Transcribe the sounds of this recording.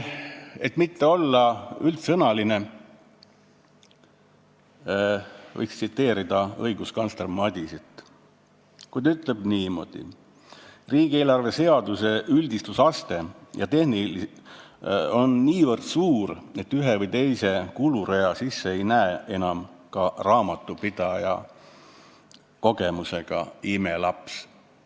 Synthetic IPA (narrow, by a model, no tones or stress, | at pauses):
e̞t̪ˑmit̪ːe̞o̞lːɑylt̪sɤnɑline̞ | vɤ̰jkst̪sit̪ːe̞ːɾid̪̥ɑɤ̰jɡuskɑnslermɑd̪̥ʲisit̪ˑ | kujd̪yt̪ˑle̞b̥niːmo̞̰d̪̥ḭ | riːɡ̥ie̞ːlɑrve̞se̞ɑd̪̥use̞ʔyld̪ist̪usɑst̪e̞jɑt̪e̞ɦnil | o̞nːiːvɤrd̪̥suːɾe̞t̪ːyɦevɤjt̪e̞jse̞kuluɾe̞ɑsisːeejnæee̞nɑmkɑrɑːmɑt̪ːˑupid̪̥ɑjɑ̰ | ko̞ɡe̞muse̞ɡ̥ɑ̰ime̞lɑps